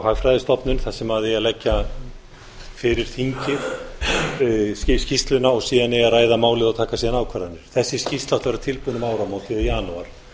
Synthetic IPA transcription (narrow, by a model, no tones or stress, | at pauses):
haɣfɾajðɪst̪ɔpnʏnθasɛmaðɪɛalɛcːa | fɪɾɪɾ̥θiɲcɪɾ̥ | scist̪lʏnːaɔɣsiːðanɛɣaɾaːjðamaːwlɪðawt̪ʰaːkasiːðanaːwkʰvaɾðanːɪɾ̥θɛsːɪ̥scist̪laht̪avɾat̪ʰɪlpuːnʏmaːwɾamawt̪ɪðjaːnuaɾ̥